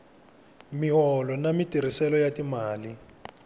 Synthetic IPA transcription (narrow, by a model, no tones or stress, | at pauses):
miɦɔlɔnamitiɾ̤isɛlɔjatimaːli